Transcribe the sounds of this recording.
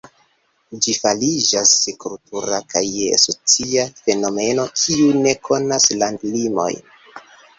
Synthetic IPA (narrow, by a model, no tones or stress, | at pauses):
d͡ʒifalid͡ʒasekultuɾakajea̰so̞t͡siafe̞no̞me̞no̞kʰiune̞kʰo̞naslandlimo̞̰j